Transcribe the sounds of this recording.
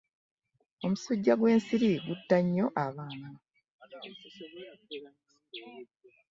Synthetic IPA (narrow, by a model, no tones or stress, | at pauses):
o̞musuɟːaɡwe̞ːnsiɾiɡutːaɲːo̞ʔaβaːna